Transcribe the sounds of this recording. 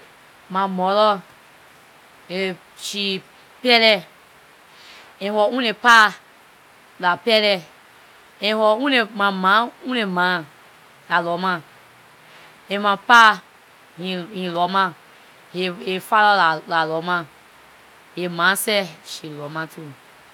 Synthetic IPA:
mãmɔlɔ | e | ʃi | pɛlɛ | ẽhɔũnepa | lapɛlɛ | ẽhɔũnemãmãũnemã | lalɔmã | emãpa | hihĩlɔmã | heefalɔllalɔmã | hemãsɛʃilɔmãtu

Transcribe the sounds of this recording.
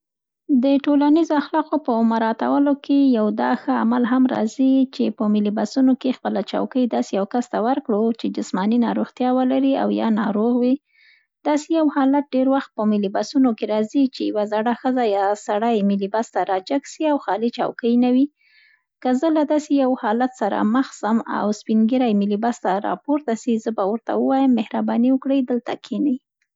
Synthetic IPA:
d̪əʈolanizoaxlɑqopəmaɾɑt̪a̰wəlokejawd̪ɑxəa̰malɦamɾɑ̰zit͡ʃepəmɪlibasunokexpəlat͡ʃɑ̰wkəjd̪ɑsejawkast̪awəɾkɽot͡ʃed͡ʒɪsmɑninɑɾoɣt̪jɑwəlaɾia̰wjɑ̰nɑɾoɣwi | d̪̥ɑsejawhɑlat̪̚ɖeɾwaxt̪̚pəmɪlibasunokeɾɑzit͡ʃejawazaɽaxəzajɑsaɽajmilibast̪aɾɑd͡ʒaɡʃiawxɑlit͡ʃɑ̰wkəjnawi | kəzəlad̪ɑsejawhɑlat̪saɾa̰məxsəma̰wspiŋɡiɾajmilibast̪aɾɑ̰poɾt̪asizəbawəɾt̪a̰wəwɑjəmːehɾabɑniwəkɽəjd̪əlt̪akʰenəj

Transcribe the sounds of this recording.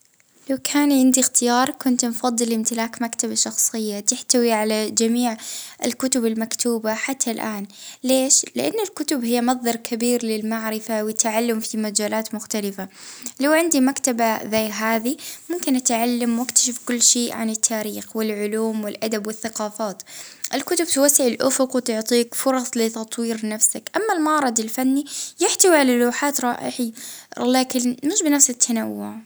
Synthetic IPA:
lawkʰaːnʕɪnd̪ixt̪ɪjɑːɾˤkʊnt̪nfɑðˤːɨlʔɪmt̪ɪlaːkmakt̪abaʃɑxsˤɨjːat̪ɪħt̪awiʕalad͡ʒamiːʕɪ̰lkʊt̪ʊbɪlmakt̪uːbaħat̪ʰːalʔaːnleːʃlɪ̰ʔanːalkʊt̪ʊbhɪjːamɑðˤːɑɾˤkʰabiːɾlɪlmaʕɾɪfawɪt̪ːaʕalːʊmfimad͡ʒaːlaːt̪mʊxt̪alɪfalawʕɪnd̪imakt̪abazaːɦaːðimʊmkɪnʔat̪ʕalːamwɪkt̪ḁʃɪfkʊlːʃeːʔʕanɪt̪ʰːaːɾiːxwɪlʕʊluːmwɪlʔad̪abwɪθːɑqɑːfaːt̪ʔɪlkʊt̪ʊb̚t̪wasːɪʕɪlʔʊfʊqwt̪ʊʕt̪ˤiːkfʊɾˤɑsˤlɪt̪ɑt̪ˤwiːɾnafsakʔamːalmɑʕɾˤɑd̪ɪlfanːijɪħt̪awiʕalaluːħaːt̪ɾˤɑːʔɪħilaːkɪnmɪʃbɪnafsɪt̪ʰːanawːʊʕ

